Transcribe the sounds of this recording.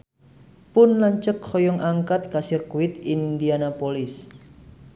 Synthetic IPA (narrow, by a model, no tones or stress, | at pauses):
pʊnlaɲt͡ʃəkhɔjɔŋʔaŋkat̪̚kasɪrkuwɪt̪indianapolɪs